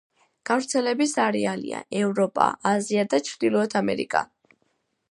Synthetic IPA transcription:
ɡ̥avɾt̪sʰɛlɛbisaɾɛalḭa̰ɛvɾɔpʼa̰ːziad̪at͡ʃʰɾd̪ilˠɔɛt̪ʰamɛ̰ɾḭkʼa̰

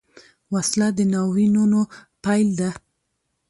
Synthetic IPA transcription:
waslad̪ənawinunopajld̪a

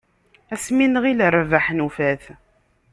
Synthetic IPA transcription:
æsminəʁiləɾˤvaħnufæθ

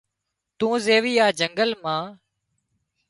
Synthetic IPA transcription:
t̪ũːzeːʋiːaːd͡ʒəŋɡəlmãː

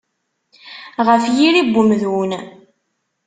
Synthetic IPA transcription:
ʁəfjiɾibːʊmðwun

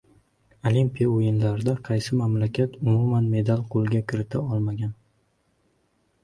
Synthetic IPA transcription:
olimpijaojɪnlaɾɪd̪aqʰɑjsɪmamlakʲat̪ʊmumanme̞d̪alˠqʰolˠɡʲakʲʰɪɾɪt̪ʰaɒlˠmaɡʲan

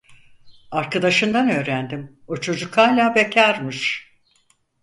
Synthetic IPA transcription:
aɾkʰad̪aʃɯnd̪anø̞ːɾænd̪im | o̞t͡ʃʰo̞d͡ʒukaːlʲaːbecʰaɾmɯʃ

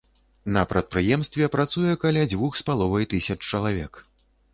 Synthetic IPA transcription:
nɐpɾɐt̪̚pɾɨjɛmst̪vʲɛpɾat̪sujɛkalʲad͡zʲvuxspalˠɔvɐjt̪ɨsʲɐt͡ʂt͡ʂɐlˠavʲɛ̰k

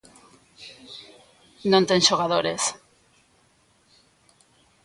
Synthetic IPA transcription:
nõnt̪enʃoɣ̞aðoɾes

